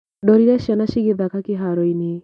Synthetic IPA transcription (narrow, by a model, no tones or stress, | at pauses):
dɔɾiɾɛʃanaʃiɡeðakakeɦaɾɔine